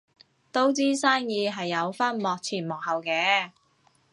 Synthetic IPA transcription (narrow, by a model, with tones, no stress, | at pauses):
t̪o˥wt͡siː˥saː˥ŋjiː˨˧ɦɐ˨jːɐ˨˧wfɐ˥nmɔː˨k̚t͡sʰiː˨˩nmɔː˨k̚hɐ˨wkɛː˧˥